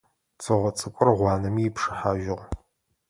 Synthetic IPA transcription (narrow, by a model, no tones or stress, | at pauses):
t͡sʰʼɨʁʷɔt͡sʼɨkʷʼʊrʁʷɑːnɐmiːpʰʂɨħaːʒɪʁ